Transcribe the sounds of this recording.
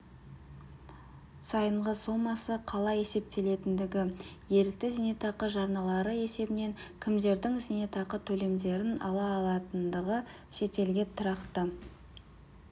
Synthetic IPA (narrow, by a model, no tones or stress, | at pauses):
sɑjəɴʁəso̞mɑsəqʰɑlˠɑje̞se̞p̚t̪e̞le̞t̪ɪnd̪ɪɡʲɪje̞ɾɪk̚t̪ɪzene̞t̪ɑqəʒɑɾnɑlˠɑɾəe̞se̞bɪne̞ŋkʲʰɪmd̪e̞ɾd̪ɪŋzene̞t̪ɑqət̪ʰɵle̞md̪e̞ɾɪnɑ̰lˠɑːlˠɑt̪ənd̪əʁə | ʃe̞t̪e̞lɡʲe̞t̪ʰʊɾɑqt̪ə